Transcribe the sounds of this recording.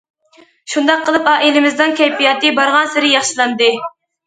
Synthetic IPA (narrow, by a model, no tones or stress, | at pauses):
ʃund̪ɑqʰːəlˠɨpɑːʔilɪmɪzd̪ɨnkʲʰɛjpijɑt̪ɨbɑɾʁɑnsɪɾɪjɑχʃilˠɑnd̪ɨ